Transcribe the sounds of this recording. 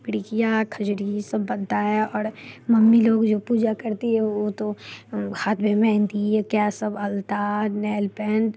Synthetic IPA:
kɽikijakʰəd͡ʒɾisɐbːə̃nt̪aɦɛɔːɾmɐmːiloːɡd͡ʒoːpuːd͡ʒakɐɾt̪eɦɛ̃ot̪ohaːt̪ʰbʱemɛ̃ɦnt̪iɛkjasɐbɐlt̪anɛːlpɛ̃ːnɖ

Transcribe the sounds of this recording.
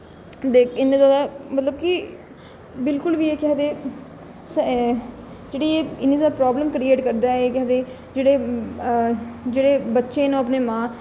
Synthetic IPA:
d̪eːkʰɪnːeːzaːd̪aːmət̪ləbkɪ | bɪlkʊlʋieːkɛɦd̪eː | s | d͡ʒeːɽiːeːɪniːd̪aːpɾɔːbləmkɾieːʈkəɾd̪aːɛeːkɛɦd̪eː | d͡ʒeːɽeː | d͡ʒeːɽeːbətːʃeːnõːəp̬neːmãː

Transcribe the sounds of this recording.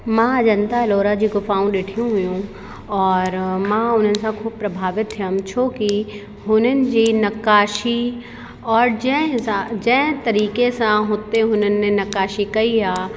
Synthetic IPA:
mãd͡ʒɐnt̪aloːɾad͡ʑiɡʊfaːũɗeːʈʰijũɦʊjũ | ɔːɾmãʊnɦənɪ̆sãkʰuːb̚pɾɐbʱaːʋɪt̪ɦeɐmt͡ʃʰoːki | ɦʊnənɪ̆d͡ʒinɐkaːʃi | ɔːɾd͡ʒɛ̃sãd͡ʒɛ̃ːt̪ɐɾiːkesãɦʊt̪eɦʊnənːẽnɐkaːʃikɐiaː

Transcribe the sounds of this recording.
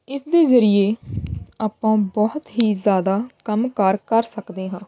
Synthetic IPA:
ɪsd̪eːzəɾɪjeːaːpːãːbɔːɦt̪ɦiːzjaːd̪aːkəmkəɾkəɾsəkd̪eːɦãː

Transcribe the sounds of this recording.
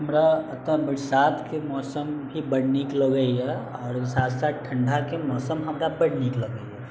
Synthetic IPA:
ɦɐmɾaɐt̪ə̃bɪɽsaːt̪ʰkemɔːsəmbʱibɐɽniːkləɡəiɦɛɔːɾsaːd̪saːʈʰɐ̃ɳɖʱakemɔːsəmɦɐmɾabɐɽniːklɐɡəiɦɛ

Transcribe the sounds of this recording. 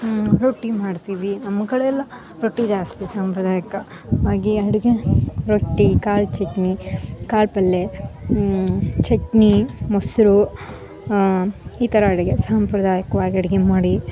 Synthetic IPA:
ɾoʈːimaːɽsiʋinɐmɐkɐɽeɛlːɐ | ɾoʈːid͡ʒaːst̪isaːmpɾɐd̪aːjɐkɐ | aːɡiɐɽɐɡeɾoʈːikaːlt͡ʃeknikaːlpɐlːe | t͡ʃeknimosɾu | iːt̪ɐɾɐɐɽɐɡesaːmpɾɐd̪aːjɐkɐʋaːɡiɐɽɐɡemaːɽi

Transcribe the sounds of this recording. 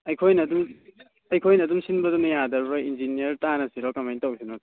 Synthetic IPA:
ɐjkʰojnɐdum | ɐjkʰojnɐːdumsinbɐdunɐjadɐɾbɐind͡ʒinijɐɾtanɐsiɾɔkɐmajntɐwsʰinɔd

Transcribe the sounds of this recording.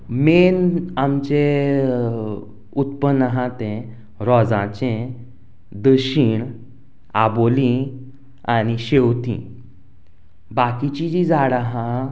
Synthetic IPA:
menamt͡ɕe | ut̪pənːəɦãt̪ẽ | ɾɔd͡zãt͡ɕẽ | d̪əɕiːɳ | abolĩ | añiɕewt̪ḭ̃ | bakit͡ɕid͡ʑid͡zaɽaɦã

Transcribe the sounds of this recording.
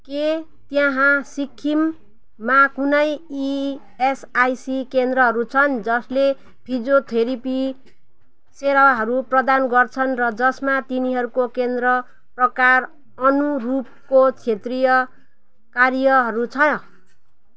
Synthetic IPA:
ke | t̪jãɦãsikʰːimː | akunʌji | esajsikend̪rʌɦʌɾut͡sʰʌnd͡zʌsle | pʰid͡zot̪ʰeɾipi | seɾaɦʌɾuprʌd̪anɡʌrt͡sʰʌnrʌd͡zʌsmat̪iniɦʌɾukokend̪rʌ | prʌkar | ʌnurup̚kot͡sʰet̪rijʌ | karjʌɦʌɾut͡sʰʌ

